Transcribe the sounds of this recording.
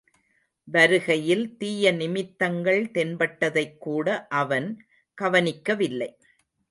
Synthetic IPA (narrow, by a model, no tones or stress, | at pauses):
ʋɐɾɯɣɐjɪlt̪iːjɐnɪmɪt̪ːɐŋɡɐɭt̪ɛnbɐʈːɐðɐɪkːuːɽɐʔɐʋɐn | ɡ̥ɐʋɐnɪkːɐʋɪlːɐɪ